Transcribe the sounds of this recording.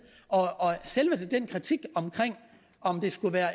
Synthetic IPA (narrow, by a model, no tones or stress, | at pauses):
ɒ̽ɒ̽selʋəd̥ed̥en̰kʰʁit͡sʰiɡ̥ɒ̽mkʰʁeŋ̰ | ɒ̽md̥e̝sɡ̥uʋæːɐ